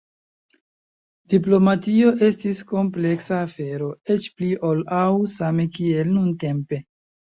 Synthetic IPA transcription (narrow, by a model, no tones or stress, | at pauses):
dip̬lo̞matio̞ʔe̞stisko̞mple̞ksaːfe̞ɾo̞et͡ʃpliʔolawsame̞kie̞lnunte̞mpe̞